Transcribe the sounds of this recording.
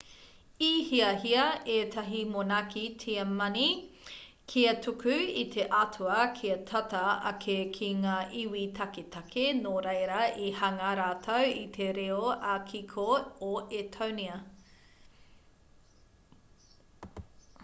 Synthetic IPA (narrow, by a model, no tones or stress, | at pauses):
ihiɐɦiɐetʰɐɦimonakitʰiɐmɐni | kʰiɐtʰukʉit̪ʰeʔɐtʰuɐkʰiɐtʰɐtɐɐ̰kʰekʰiŋaːʔiwitʰɐketʰɐkʰenoɾejɾɐʔihɐŋɐɾaːtʰowit̪ʰeɾeoɐkʰikʰooetʰowniɐ